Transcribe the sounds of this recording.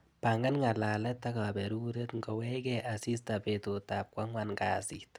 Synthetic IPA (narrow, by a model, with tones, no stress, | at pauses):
pa˨ŋɡa˦nŋa˨la˨lɛ˦t̪ːa˦ka˨bɛɾu˦ɾe˦t̪ŋɡɔ˨wɛ˦ɡɛʔa˨si˦st̪a˨pe˨t̪u˨t̪ap̚kwʷa˦ŋwanŋɡa˨sit̪